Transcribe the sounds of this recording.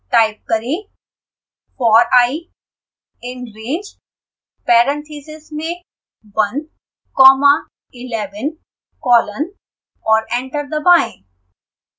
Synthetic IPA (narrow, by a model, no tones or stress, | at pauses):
ʈaːɪp̚kəɾẽ | fɔːɾaːi | ɪ̃nɾeːd͡ʒ | pɛːɾə̃nt̪ʰiːsɪsmẽ | bɐ̃n | kɔːma | ɪlɛːʋən | kɔːlən | ɔːɾɛ̃ːɳʈəɾd̪əbaːɪ̃